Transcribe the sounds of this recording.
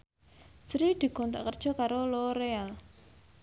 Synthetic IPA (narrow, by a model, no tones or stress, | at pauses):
sɾid̪̥i̤kɔnt̪a̰ʔkərd̥ʒ̥ɔ̤kaɾoloɾeal